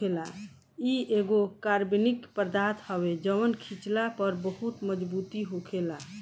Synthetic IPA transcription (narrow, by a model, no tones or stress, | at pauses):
ela | ieɡokaɾbinikpɾd̪at̪hɔwed͡ʒəʋənkʰit͡ʃlapəɾbəhut̪məd͡ʒbut̪iɦokʰela